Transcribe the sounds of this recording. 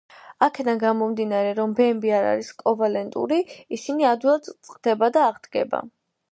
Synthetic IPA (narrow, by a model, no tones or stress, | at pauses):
akʰɛd̪anɡamɔmd̪inaɾɛɾɔmbɛmbiaɾa̰ɾiskʼɔvalɛnt̪ʼṵɾiisiniad̪iat̪ʼt̪sʼqʼd̪̥ɛbad̪aːʁd̪ɡɛ̰ba̰